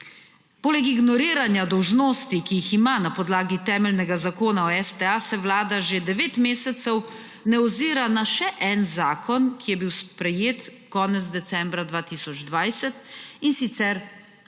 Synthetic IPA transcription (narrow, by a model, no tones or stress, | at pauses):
poːlɛkiɡnɔɾiːɾanjad̪ɔwʒnoːst̪ikijiximanapɔd̪laːɡit̪ɛːmɛlnɛɡazakoːnaɔɛst̪ɛasɛwlaːd̪aʒed̪ɛʋeːt̪meːsɛt̪sɛw | nɛɔziːɾanaʃɛʔɛnzaːkʰɔnkijɛbiwspɾɛjeːt̪kɔːnɛt̪zd̪ɛt̪sɛ̃mbɾad̪ʋaːt̪iːsɔd͡ʒd̪ʋajsɛt̪insit̪sɛɾ